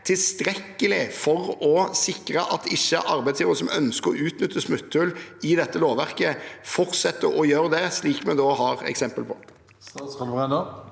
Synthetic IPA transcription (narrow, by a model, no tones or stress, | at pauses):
t̪ʰɪlst̪ɾɛkːəlɪfɔɾɔsɪkɾəʔɑt̪ɪçːəʔɑɾbæɪt̪sjiːʋəəsɔmœnskəɾɔʔʉːt̪nʏt̪ʰːəsmʉt̪ʰːʉlɪd̪ɛt̪ːəloːʋæʁkəfɔɾt̪sɛt̪ːəɾɔjøːɾd̪ɛsliːkmɛnd̪oːɦɑːɾɛ̰ksɛmpəlpʰɔ | lʁɛnə